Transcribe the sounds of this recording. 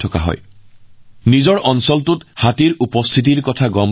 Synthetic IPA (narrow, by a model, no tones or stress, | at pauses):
tʰɔka̰ɦɔ̰j | nizɔɹɔnsɔltʊthatiɹupɔstʰit̬iɹkɔtʰaɡɔm